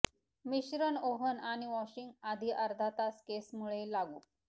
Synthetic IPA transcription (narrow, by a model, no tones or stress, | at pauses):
miɕɾənoɦənañiʋɔɕiŋɡad̪ʱiʔəɾd̪ʱat̪askesmuɭelaɡuː